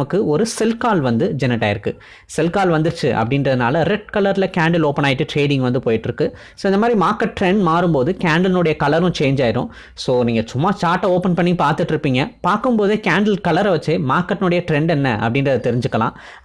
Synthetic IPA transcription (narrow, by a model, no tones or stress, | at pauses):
mɐkːɯɔɾɯsɛlkaːlʋɐnd̪ɯd͡ʒɛnɪʈːaːjɪɾɯkːɯ | sɛlkaːlʋɐnd̪ɯɾt͡ʃːɯʔɐ̰pːɐɽɪnrɐðɯnaːlɐɾɛʈ̚kɐlɐɾlɐkaːɳɖɪloːpːɐnaːjɪʈːɯʈɾeːɽɪ̃ŋɡʋɐnd̪ɯpoːjɪʈːɪɾɯkːɯ | soːɪnd̪ɐmaːd̪ɾimaːɾkɐʈ̚ʈɾɛɳɖmaːɾɯmpoːðɯkaːɳɖɐlnʊɽɐjɐkɐlɐɾʊ̃t͡ʃeːɲd͡ʒaːjɪɾʊ̰̃ː | soːniːŋɡɐt͡ʃʊmːaːst͡ʃaːʈːɐoːpɐnpɐɳːipaːɾt̪ɯʈːɪɾɯpːiːŋɡɐpaːɾkɯmpoːðeːkaːɳɖɐlkɐlɐɾʋɐt͡ʃːemaːɾkːɐʈːɪnʊɽɐjɐʈɾɛɳɖɛnːɐʔɐpːɐɽɪnɾɐðɯt̪ɛɾɪɲd͡ʒɯkːɐlã̰ː